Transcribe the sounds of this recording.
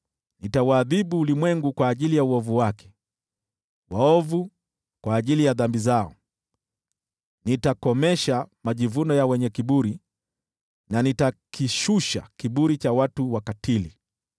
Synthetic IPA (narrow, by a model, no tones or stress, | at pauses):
nitawaːðiɓuːlimwɛŋɡukwaːʄilijauɔvuwakɛ̥ | waɔvu | kwaːʄilijaðambizaɔ | nitakɔmɛʃamaʄivunɔjawɛɲɛkiɓuɾi | nanitakiʃuʃa̰kiɓuɾit͡ʃawatuwakatʰili